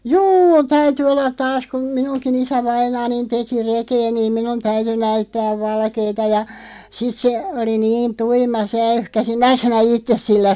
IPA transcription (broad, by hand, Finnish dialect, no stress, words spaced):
juː tæyty olːɑt tɑːs kum minunkin isæʋɑinɑːnin teki rekeː niːm minun tæyty næytːæːʋ ʋɑlkeːtɑ jɑ sit se oli niːn tuimɑ se æyhkæsi næːk sinæ itːes silːæ